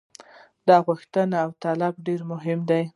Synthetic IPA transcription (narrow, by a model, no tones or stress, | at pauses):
d̪ɑɣuxt̪ənaːwt̪alab̚ɖeɾmʊɦɪmd̪aj